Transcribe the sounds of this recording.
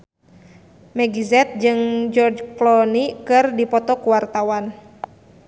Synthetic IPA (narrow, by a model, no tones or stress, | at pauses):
mɛɡizɛt̪̚d͡ʒɨŋd͡ʒɔrd͡ʒklɔnikɨrdipɔt̪ɔkuwart̪awan